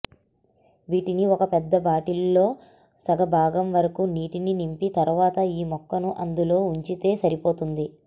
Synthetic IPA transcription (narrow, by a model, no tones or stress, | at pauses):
ʋiːʈiniɔkɐpɛd̪ːɐbaːʈilːo̞ː | sɐɡɐbʱaːɡɐmʋɐɾɐkuniːʈininimpit̪ɐɾʋaːt̪ɐiːmɔkːɐnuʔɐnd̪ulo̞ːuɲt͡ʃit̪e̞ːsɐɾipo̞ːt̪und̪i